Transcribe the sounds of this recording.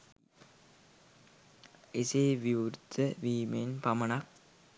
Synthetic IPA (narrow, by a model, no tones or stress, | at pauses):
eseːʋiʋuɾd̪əʋiːmenpamənak̚